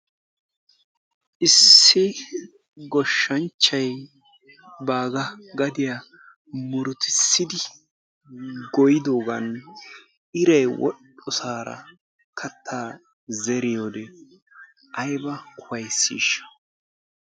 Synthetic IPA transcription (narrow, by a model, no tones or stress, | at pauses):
ʔɪsːɪ | ɡɔʃːɐnt͡ʃːɐj | baːɡɐɡɐd̪ɪja | mʊɾʊt̪ɪ̥sːɪd̪ɪ | ɡɔjɪd̪o̞ːɡɐn | ɪɾɐjwɔ̰ɗɔsaːɾɐ̰ | kʰɐt̪ʰːaː | zɛɾɪjoːd̪ɛ | ʔɐjbɐkʰʊwɐjsːḭːʃɐ̥